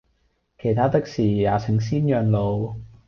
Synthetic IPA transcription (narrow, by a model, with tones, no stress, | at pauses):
kʰe˨˩jt̪ʰaː˥t̪ɪ˥k̚siː˨˩jaː˨˧t͡sʰɪ˨˩˦ŋs̬iː˥njœː˨˧ŋlo˨˧w